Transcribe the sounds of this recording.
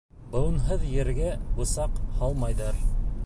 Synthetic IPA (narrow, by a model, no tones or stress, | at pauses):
bɤ̆w̆nɦɤðjɘ̆ɾɡæbusɑqhɑlˠmɑjðɤɾ